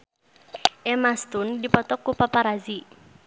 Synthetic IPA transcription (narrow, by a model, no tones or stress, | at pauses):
ʔɛmast̪undipɔt̪ɔkːupapaɾazi